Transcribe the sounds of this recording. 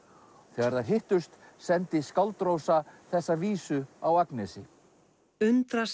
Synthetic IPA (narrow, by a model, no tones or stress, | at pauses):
θɛːɣaɾðaɾ̥ɦɪht̪ʏst̪sɛnt̪ɪskawlt̪ɾowsaθɛsːaviːsʏawaknɛsɪ | ʏnt̪ɾas